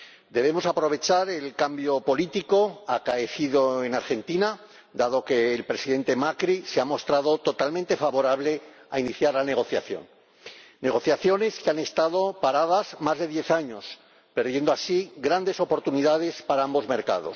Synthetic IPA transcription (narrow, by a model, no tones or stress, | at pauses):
d̪e̞β̞e̞mo̞sapɾo̞βe̞t͡ʃaɾe̞lkambjo̞po̞lit̪iko̞akaeθiðo̞e̞naɾxe̞nt̪ina | d̪aðo̞ke̞ːlpɾe̞siðe̞nt̪e̞makɾiseamo̞st̪ɾaðo̞t̪o̞t̪almẽnt̪e̞faβo̞ɾaβ̞le̞a̰iniθjaɾlane̞ɣ̞o̞θja̰θjo̰nː | e̞ɣ̞o̞θjaθjo̞ne̞skeane̞st̪aðo̞paɾaðazmazðe̞ðje̞θaɲo̞s | pe̞ɾðje̞nd̪oasiɣɾand̪e̞so̞po̞ɾt̪uniðað̞e̞spaɾaambo̞zme̞ɾka̰ðos